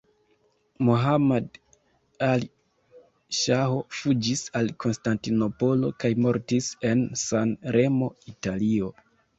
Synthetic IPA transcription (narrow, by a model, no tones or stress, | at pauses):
moɦamad | ali | ʃaɦo̞fud͡ʒisalko̞nstantino̞po̞lo̞̰kajmo̞ɾtise̞nsanɾe̞mo̞italio̞